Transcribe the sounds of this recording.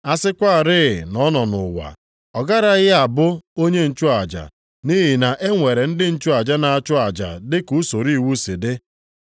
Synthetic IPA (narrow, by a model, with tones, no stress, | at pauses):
a˦sɪ˦kʷa˦a˨ɾɪ˦˨nɔ˦nɔ˨nʊ̰˨wa̰˨ | ɔ˨ɡa˦ɾa˦ɣɪ˦a˨bʊ˦o˦ɲe˦n̩˨t͡ʃʊ˦a˨d͡ʒa̰˨ | ni˦ɦi˨na˨ʔe˦ŋʷe˨ɾe˨n̩˦dɪ˦n̩˦t͡ʃʊ˦a˨d͡ʒa˦na˨a˨t͡ʃʊ˦a˨d͡ʒa̰˨dɪ˦ku˨˦so˨ɾi˦˨wu˦si˨dɪ˦